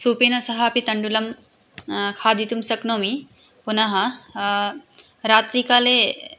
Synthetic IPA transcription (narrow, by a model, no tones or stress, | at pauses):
suːpenɐsɐɦɐɐpit̪ɐɳɖulɐm | kʰaːd̪ʱit̪umsɐknoːmi | punɐɦɐ | ɾaːt̪ɾikaːle